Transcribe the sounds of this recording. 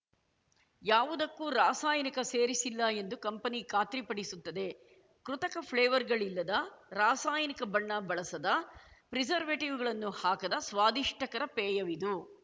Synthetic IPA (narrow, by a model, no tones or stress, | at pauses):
jaːʋud̪ɐkːuːɾaːsaːjɐnikɐseːɾisilːɐend̪ukɐmpɐnikaːt̪ɾipɐɽisut̪ːɐd̪e̞ | kɾut̪ɐkɐpʰɭeːʋɐɾɡɐɭilːɐd̪ɐɾaːsaːjɐnikɐbɐɳːɐbɐɭɐsɐd̪ɐpɾid͡ʒɐɾʋeʈiʋɡɐɭɐnːuhaːkɐd̪ɐsʋaːd̪iʂʈʰɐkɐɾɐpɛːjɐʋid̪u